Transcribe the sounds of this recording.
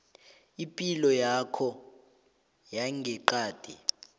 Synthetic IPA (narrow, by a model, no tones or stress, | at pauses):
ipʼilɔjakʰɔ | jaŋɡʱɛǃaːd̥ʱi